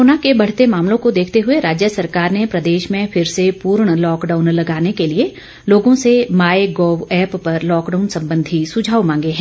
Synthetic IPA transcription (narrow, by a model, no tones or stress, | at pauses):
ɾoːnakebɐɽ̤t̪emaːmlõkod̪eːkʰt̪eɦʊeɾaːd͡ʒjəsɐɾkaːɾnepɾɐd̪eːʃmẽfʰɪɾsepuːɾɳ̃lɔːkɖaːʊnlɐɡaːnekelie | loːɡõsemaːeɡoːwɛːpːɐɾlɔːkɖaːʊnsɐ̃mbə̃nd̪ʱisʊd͡ʒʱaːwmãːŋɡeɦɛ̃